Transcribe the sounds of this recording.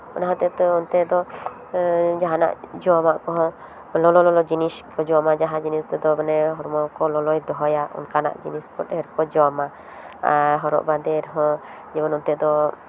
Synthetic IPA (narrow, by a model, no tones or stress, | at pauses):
ɔnaɦãt̪ɛt̪ɔɔnt̪ɛd̪ɔ | d͡ʒaɦana̰ʔd͡ʒɔmaʔkɔɦɔ̃ | lɔlɔlɔlɔd͡ʒiniskɔd͡ʒɔmad͡ʒaɦad͡ʒinist̪ɛd̪ɔbɛnɛɦɔɾmɔkɔlɔlɔjd̪ɔɦɔjaɔ̰nkana̰ʔd͡ʒinispɔt̪ɛɾkɔd͡ʒɔma | a̰ɦɔɾɔ̰ʔbad̪ɛɾɦɔ̃ | d͡ʒɛbɔnɔnt̪ɛd̪ɔ